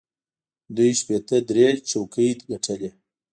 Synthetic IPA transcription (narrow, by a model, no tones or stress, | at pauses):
d̪ujʃpet̪əd̪ɾet͡ʃokəjt̪ɡaʈʰəle